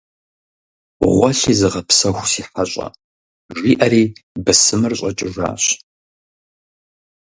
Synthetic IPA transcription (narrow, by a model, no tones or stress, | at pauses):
ʁʷɔɬiːzɨʁɐpsɐxʷsiːħaɕʼɐ̰ | ʒiːʔɐriːbɨsɨmɨrɕʷʼɐt͡ʃʼɪʒa̰ːɕ